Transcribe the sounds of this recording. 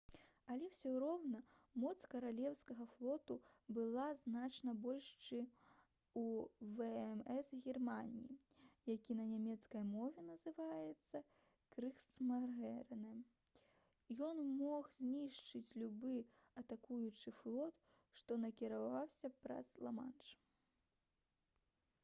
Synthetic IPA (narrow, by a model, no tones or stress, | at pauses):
ɐlʲɛwsʲɔɾɔwnɐmɔt̪skɐɾalʲɛwskɐɣɐflˠɔt̪ubɨlˠaznat͡ʂnɐbɔlʲʂt͡ʂɨ | uvɛɛmɛsɣʲɛrmanʲijḭjakʲinɐnʲamʲɛt̪skɐjmɔvʲɛnɐzɨvajɛt̪sːɐ | kɾɨxsmarɣɛɾnɛm | jɔnmɔxzʲnʲiʂt͡ʂɨt͡sʲlʲubɨ | ɐt̪akujut͡ʂɨflˠɔt̪ | ʂt̪ɔnɐkʲiɾavawsʲɐpɾɐ̰slˠama̰nt͡ʂ